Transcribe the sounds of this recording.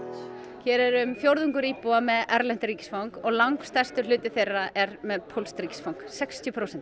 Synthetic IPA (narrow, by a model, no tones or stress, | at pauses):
cʰɛːɾɪɾʏmfjowɾðʏŋkʏɾiːpoamɛðɛɾlɛn̥t̪ɾiːcɪ̥sfawŋkɔɣlawŋkst̪ajst̪ʏ̥lʏːt̪ɪθejrːaʔɛɾmɛðpʰowlst̪ɾiːcɪ̥sfawŋ̥ksɛkst̪ʰjʏpʰɾoːwsɛnt̪